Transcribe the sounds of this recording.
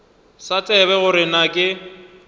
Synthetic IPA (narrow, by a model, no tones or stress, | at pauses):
sat͡sʼɛβɛɣʊɾɪnakʼɪ